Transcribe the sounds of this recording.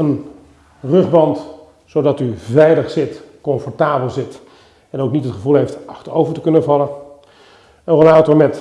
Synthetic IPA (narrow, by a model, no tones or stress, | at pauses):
ən | rɵχbɑnt | sowdɑtyvɛjləχsɪtkɔnfɔɹtaːbəlˠzɪt | ɛnowknitɦətχəvulˠɦejftɑχtərowvəɹtəkɵnəvɑlən | ənrəlaːtɔɹmɛt